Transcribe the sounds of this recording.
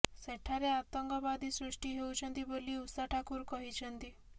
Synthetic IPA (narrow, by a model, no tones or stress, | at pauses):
seʈʰaɾeat̪ɔŋɡɔbad̪isɾusʈiɦewt͡ʃʰɔnt̪iboliusaʈʰakuɾkɔɦit͡ʃʰɔnt̪i